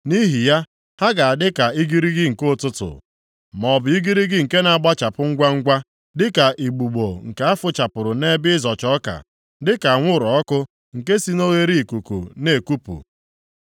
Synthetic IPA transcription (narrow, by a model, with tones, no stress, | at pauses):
ni˦ɦi˨ja˦ | ha˦ɡa˨a˨dɪ˦ka˨i˦ɡi˦ɾi˦ɡɪ˦ŋ̩˨ko˦˨tʊ˦tʊ̰˨ | mɔ˨bʊ˨i˦ɡi˦ɾi˦ɡɪ˦ŋ̩˨ke˦na˨a˨ɡ͡ba˦t͡ʃa˨pʊ˦ŋ̩˦ɡʷa˦ŋ̩˦ɡʷa˦ | dɪ˦ka˨ʔi˨ɡ͡bu˨ɡ͡bo˨ŋ̩˨ka˦a˦fʊ˦t͡ʃa˨pʊ˨ɾʊ˨ne˦bɪ˦zɔ˨t͡ʃɔ˦ka̰˨ | dɪ˦ka˨ŋʷʊ˦˨ɾɔ˨ɔ˦kʊ˦ | ŋ̩˨ke˦si˦no˦ɣe˦ɾi˦i˨ku˨kṵ˨ne˨ku˦pṵ˨